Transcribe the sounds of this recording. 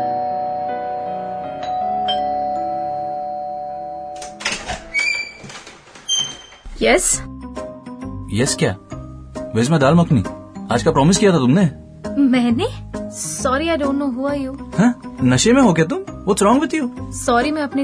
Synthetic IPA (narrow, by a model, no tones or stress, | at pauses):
jɛs | jɛskja̰ː | ʋes̬mẽd̪aːlmɐknḭ̃ːa̰ːd͡ʒkapɾɔːmɪskijat̪ʰat̪ʊmne | mɛ̃ːnesɔːɾiaɪɖõːnʈnoːɦuajuhɛ̃nɐʃemẽɦokɦet̪ʊmʋosɾɔ̃ːŋʋɪt̪juːsɔːɾimɛ̃ɐpne